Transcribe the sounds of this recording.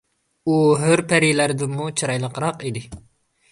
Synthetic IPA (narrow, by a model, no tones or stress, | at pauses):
uɦøɾpʰɛɾilæɾd̪ɪmːut͡ʃʰɨɾɑjlˠəqɾɑqid̪ɪ